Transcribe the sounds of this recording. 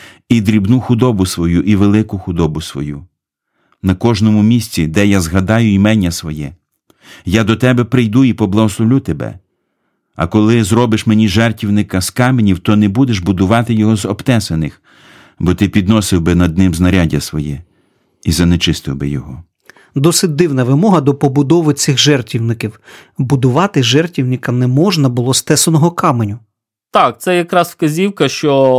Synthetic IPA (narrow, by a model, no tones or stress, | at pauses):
id̪ɾʲibnuxʊd̪ɔbʊsʋɔjuʔiʋelˠɪkʊxʊd̪ɔbʊsʋɔ̰ju | nɐkɔʒnɔmʊmʲisʲt͡sʲid̪ɛjazɦɐd̪ɑjʊimɛnʲːɐsʋɔjɛ | jad̪ɔt̪ɛbɛpɾɪjd̪uipɔblˠɐɦɔslˠɔʋlʲut̪ebɛ̰ | ɐ̰kɔlˠɪzɾɔbɪʃmenʲiʒɛrtʲiwnɪkɐskɑmenʲiwt̪ɔnebud̪eʒbʊd̪ʊʋɑt̪ɪjɔɦɔzɔpt̪ɛsenɪx | bɔt̪ɪpʲid̪nɔsɪwbɪnɐd̪nɪmznɐɾʲadʲɐsʋɔjɛ | izɐnet͡ʃɪst̪ɪwbɪ̰jɔɦɔ | d̪ɔsɪt̚ʲd̪ɪwnɐʋɪmɔɦɐd̪ɔpɔbʊd̪ɔʋɪsʲɪxʒɛrtʲiwnɪkʲiwbʊd̪ʊʋɑt̪ɪʒɛrtʲiwnɪkɐnɛmɔʒnɐbʊlˠɔst̪ɛsɐnɔɦɔkɑmenʲʊ | t̪ɑkt̪sɛjɐkɾɑsfkɐzʲiwkɐʃt͡ʃɔ